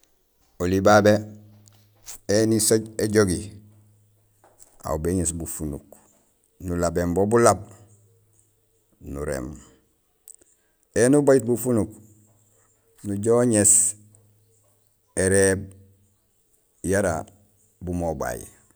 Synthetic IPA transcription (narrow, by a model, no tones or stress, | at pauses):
olibabe | enisoɟeɟoɡi | a̰ubeɲesbufunṵk | nulabembobulab̚ | nṵɾḛːm | enubaɟit̚bufunuk | nuɟoɲes | eɾeb | jaɾa̰ | bumoba̰jḭ